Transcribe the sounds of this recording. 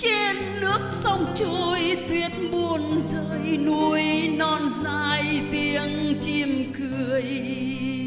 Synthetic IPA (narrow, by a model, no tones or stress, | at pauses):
t͡ɕɛːnːɨək̚somt͡ɕuəjt̪ʰiət̪̚ɓuənzəːjnuəjnɔnzaːjt̪iəŋt͡ɕimkʰɨəj